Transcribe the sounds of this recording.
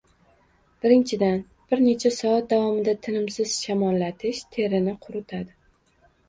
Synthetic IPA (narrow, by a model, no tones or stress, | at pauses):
b̥ɪɾɪnt͡ʃʰɪd̪an | b̥ɪɾne̞t͡ʃʰasɒat̪̚d̪avɒmɪd̪at̪ʰɪnɪmsɪz̥ʃamɒllːat̪ʰɪʃt̪ʰe̞ɾɪnɪqʰʊɾʊt̪ʰad̪ɪ